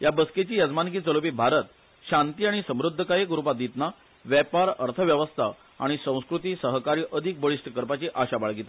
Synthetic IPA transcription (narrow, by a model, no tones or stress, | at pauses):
jabəsket͡ɕiːjəd͡zmank̬iːt͡səlopiːbʱaɾət̪ | ɕant̪iːaɽ̃isəmɾud̪ʱːəkajekuɾupad̪it̪na | ʋjɛpaɾəɾt̪ʰəʋjəʋəst̪ʰa̰ | a̰ɽ̃isə̃w̃skɾut̪iːsəɦkaɾiːʔəd̪ʱik̚bəɭiʂʈkəɾpat͡ɕiʔaɕabaɭɡit̪a